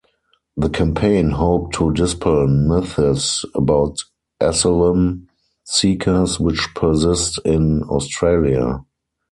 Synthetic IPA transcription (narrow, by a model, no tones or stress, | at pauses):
ðəkʰãmpʰẽɪ̃nɦoʊp̚tʰːudɪspʰəl̩mɪθɪsəbaʊt | ʔɛsələ̃m | siːkʰə˞swɪt͡ʃpʰə˞sɪstɪ̃nɔ̰ʊstɹelia̰